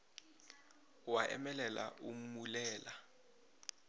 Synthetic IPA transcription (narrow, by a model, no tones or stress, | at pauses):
waʔɛ̰mɛlɛla̰ʔum̩mulɛːla